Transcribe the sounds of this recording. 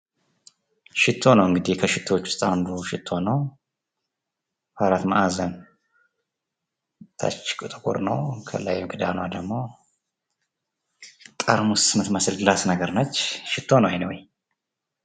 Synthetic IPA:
ʃɪt̪ʰːo̞nəwɨŋɡɨd̪ikʰəʃɪt̪ʰːoot͡ʃːʊ̥st̪ʼand̪uʃɪt̪ʰːo̞nəw | faɾat̪ma̰ʔazən | t̪ʰa̰t͡ʃːkʼɨt̪ʼɨkʼṵɾnə̰wkʰə̰la̰jɛmɡɨd̪a̰nəwad̪əɡmo̞ | t̪ʼəɾmusmɨt̪məsɨlɡɨlasnəɡəɾnət͡ʃːʃɪt̪ʰːo̞nəwajnəwj

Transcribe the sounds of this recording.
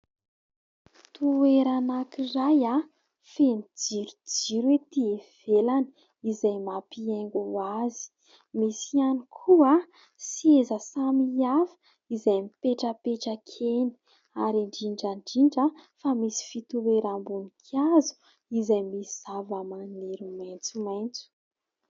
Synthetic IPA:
t̪uweɾanakiraja | fenid͡ziɾud͡ziɾwet̪iev̥elani | izajmapieŋɡuazi̥ | misianikʰua | siezəsamiafə̥ | izajmipeʈ͡ʂəpeʈ͡ʂəkʰeni̥ | aɾiɳɖ͡ʐiɳɖ͡ʐaɳɖ͡ʐiɳɖ͡ʐəfamisi̥fit̪ubeɾambunikʰazu̥ | izajmisiavamaneɾumajnt͡sumajnt͡su̥

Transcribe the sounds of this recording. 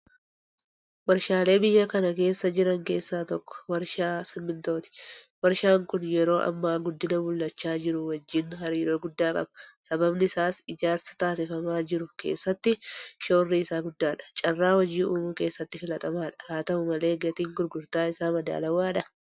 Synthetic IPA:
wɐɾʃaːle̞ːbɪjːɐkɐnɐke̞ːsːɐd͡ʒɪɾɐŋke̞ːsːaːt̪ɔkːɔ̥wɐɾʃaːsɪmːɪnt̪o̞ːt̪ɪ̥wɐɾʃaːŋkʊnjɛɾo̞ːʔɐ̰mːaːɡʊd̪ːɪnɐmʊlːɐt͡ʃːaːd͡ʒɪɾʊwɐd͡ʒːɪnɦɐɾiːɾo̞ːɡʊd̪ːaːkʼɐ̰bɐ̥sɐbɐbnɪɪsaːsɪd͡ʒaːɾsɐ̥t̪aːsɪfɐmaːd͡ʒɪɾʊkḛːsːɐt̪ːɪʃo̞ːrːiɪsaːɡʊd̪ːaːᶑɐ̥t͡ʃʼɐrːaːwɐd͡ʒːiːnʔuːmuːke̞ːsːɐt̪ːɪfɪlɐt̪ʼɐmaːᶑɐ̥haːt̪ɐʔʊmɐle̞ːɡɐt̪iːŋɡʊɾɡʊɾt̪aːɪsaːmɐd̪a̰ːlɐwaːᶑɐ

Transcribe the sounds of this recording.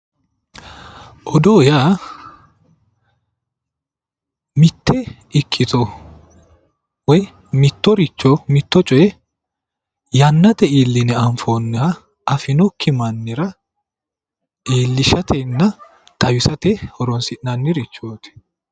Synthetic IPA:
ʔɔd̪oːjaː | mɪt̪ːɛ | ɪkʰːɪt̪ɔ | wɔj | mɪt̪ːɔɾɪt͡ʃːɔmɪt̪ːɔt͡ʃʼɔjɛ | jɐnːɐt̪ɛiːlːɪnɛɐɱfoːnːɛhɐ | ʔɐfɪnɔkʰːɪmɐnːɪɾɐ | ʔiːlːɪʃɐt̪ʰɛnːɐ | t̪ʼɐwɪsɐt̪ɛhɔɾɔnsɪnnɐnːɪɾɪt͡ʃːoːt̪ɛ̥

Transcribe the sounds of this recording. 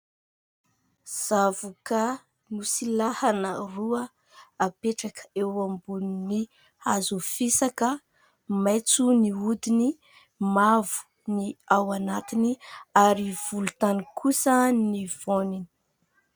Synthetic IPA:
z̥avuka | nusilahanəruə | apeʈ͡ʂakə̥ewambunini | hazufisakə | majt͡suniud̪ini | mavu̥ | niawanat̪iniaɾiv̥ulut̪anikʰusəniv̥onini̥

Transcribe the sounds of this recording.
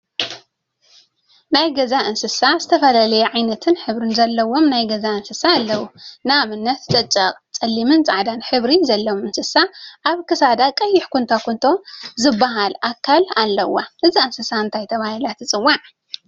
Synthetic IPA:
najɡɐzaʔɨnsɨsazɨt̪ʰɐfɐlalɐjɛʕajnɐt̪ʰɨnħɨβɾɨnzɐlːɐwo̞mnajɡɐzaɨnsɨsaːlːɐwunɨamɨnːɐt̪t͡sʼɐt͡ʃʼːɐqʼt͡sʼɐlːimɨnt͡sʼaʕd̪anħɨβɾizɐlːɐwomɨnsɨsaʔaβkʰɨsad̪akʼɐjːɪħkʰunt̪ʰakʰunt̪ʰo̞zɨbːaɦalʔakʰːalalːɐwːaʔɨziɨnsɨsaɨnt̪ʰajt̪ʰɐβahilat̪ʰɨt͡sʼɨwːaʕ

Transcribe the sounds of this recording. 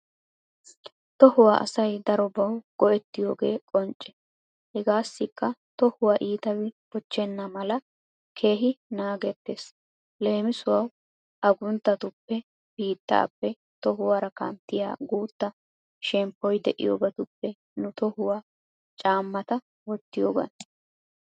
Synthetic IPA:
t̪ɔhʊwaːʔɐ̰sɐjd̪ɐɾɔbɐwɡ̥ɔʔɛt̪ːɪjoːɡe̞ːkʼɔnt͡ʃʼːɛ̥ | hɛɡaːsːɪkːɐt̪ɔhʊwaʔiːt̪ɐwɪpɔt͡ʃːɛnːɐmɐlɐ | kʰe̞ːɦɪnaːɡɛt̪ːeːs | le̞ːmɪsʊwɐw | ʔɐɡʊnt̪ːɐt̪ʊpːɛ | b̥iːt̪ːɐ̰ːpːɛ | t̪ɔɦʊwaːɾɐkɐ̰nt̪ːɪja̰ːɡuːt̪ːɐ | ʃɛmpːɔjd̪ɛʔɪ̰jo̰ːbɐt̪ʊpːɛ | nʊt̪ɔhʊwaː | t͡ʃʼaːmːɐt̪ɐ | wɔt̪ːɪjo̰ːɡɐ̰n

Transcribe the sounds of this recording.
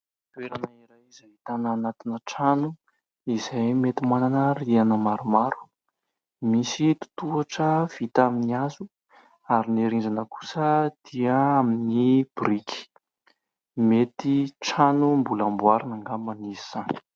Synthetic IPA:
t̪weɾanaiɾajizait̪anaːnat̪inəʈ͡ʂanu | izajmet̪imananərianəmaɾumaɾu̥ | misit̪u̥t̪uaʈ͡ʂəv̥it̪aminiazu | aɾiniɾind͡ʒanəku̥səd̪̥iaaminib̥ɾikʰi̥ | met̪iʈ͡ʂanumbulambuaɾinaŋɡamaniziz̥ani̥

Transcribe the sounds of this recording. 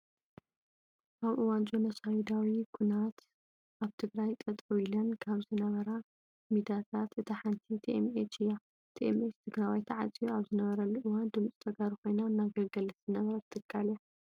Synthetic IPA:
ʔaβʔɨwant͡ʃʼonɐsawid̪awikʰunat̪ | ʔaβt̪ʰɨɡɾajt̪ʼɐt̪ʼuilɐnkʰaβzɨnɐβɐɾa | mid̪at̪ʰat̪ɨt̪ʰɐħant̪ʰit̪ʰiʔemet͡ʃɨja | t̪ʰiʔemet͡ʃt̪ʰɨɡɾajwajt̪ʰɐʕat͡sʼijuaβzɨnɐβɐɾɐlːuʔɨwand̪ɨmt͡sʼit̪ʰɐɡaɾiko̞jnaɨnːaɡɐlɡɐlɨzɨnɐβɐɾɐt̪ɨt̪ʰʼːɨkʰːalja

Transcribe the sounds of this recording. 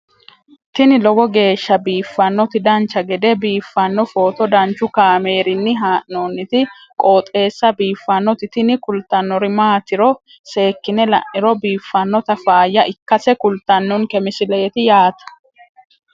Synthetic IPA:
t̪ɪnɪlɔɡɔɡe̞ːʃːɐbiːfːɐnːɔt̪ɪd̪ɐnt͡ʃːɐɡɛd̪ɛbiːfːɐnːɔfo̞ːt̪ɔd̪ɐnt͡ʃːʊkaːme̞ːɾɪnːɪɦaːʔnoːnːɪt̪ɪ | kʼoːt̪ʼe̞ːsːɐbiːfːɐnːɔt̪ɪt̪ɪnɪkʊlt̪ɐnːɔɾɪmaːt̪ɪɾɔ | se̞ːkːɪnɛlɐ̰ʔɪɾɔbiːfːɐnːɔt̪ɐfaːjːɐʔɪkːɐsɛkʊlt̪ːɐnːɔnkɛmɪsɪleːt̪ɪjaːt̪ɐ̥

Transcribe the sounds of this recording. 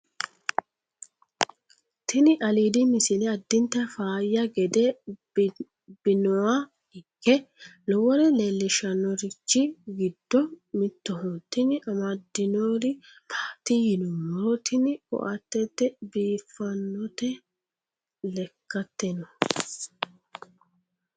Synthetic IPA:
t̪ɪnɪʔɐliːd̪ɪmɪsɪlɛɐd̪ːɪnt̪ːɐfaːjːɐɡɛd̪ɛ | b̥ɪnɔwa | ɪkːɛlɔwɔɾɛleːlːɪʃɐnːɔɾɪt͡ʃːɪɡɪd̪ːɔmɪt̪ːɔɦot̪ːɪnɪʔɐmɐd̪ːɪnoːɾɪ | pʰḁːt̪ɪjɪnɔwot̪ɪnɪkɔ̰ʔɐt̪ːɛt̪ːɛbiːfːɐnːɔt̪ɛ | lɛkːɐt̪ːɛnɔ

